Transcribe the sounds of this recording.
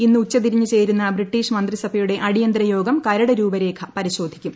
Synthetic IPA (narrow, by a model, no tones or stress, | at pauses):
inːɨut͡ɕːɐt̪̬iɾiɲːut͡ɕe̞jɾunːɐbriʈːiːʂmɐnd̪risɐbʱɐjuɽe̞ʔɐɽijɐnd̪ɾɐjo̞ːɡɐmkɐɾɐɽɐɾuːbɐɾe̞ːkʰɐpɐɾiɕo̞ːd̪ʱikʲːum